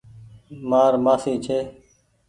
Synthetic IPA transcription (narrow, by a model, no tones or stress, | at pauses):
maːɾmaːsiːt͡ʃʰeː